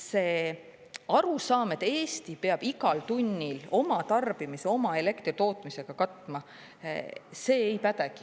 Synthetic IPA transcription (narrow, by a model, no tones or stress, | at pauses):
se̞ː | ɑɾusɑːmet̪e̞ːst̪ipeɑb̥iɡɑlt̪unʲːilo̞mɑt̪ɑrb̥imise̞o̞mɑe̞le̞kt̪rit̪o̞ːt̪ˑmise̞ɡ̥ɑkɑt̪ˑmɑ | se̞ːjpæd̪eɡ̥i